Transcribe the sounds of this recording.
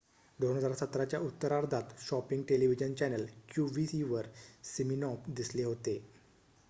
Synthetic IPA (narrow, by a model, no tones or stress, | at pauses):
d̪oɳ̃əd͡zaɾsət̪ɾat͡ɕjaʔut̪ːəɾaɾd̪ʱat̪ɕɔpiŋɡʈeliʋid͡ʑənt͡ɕɛnəlkjuʋisiʋəɾsiminɔpd̪isleɦot̪e